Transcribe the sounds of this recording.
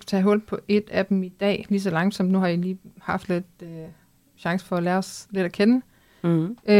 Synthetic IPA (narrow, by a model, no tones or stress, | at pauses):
t͡sʰɛ̰ːɦɔ̽l̰b̥̚pʰɒ̽ʔe̝d̥æd̥em̩id̥ɛ̰ːliːs̬ɒlɑ̈ŋ̥sɒ̽md̥nuhɑ̈iliːhɑ̈fd̥le̝d̥ø | ɕɑ̈ŋsə̥fɒ̽ælæːɐɒ̽sle̝d̥ækʰenə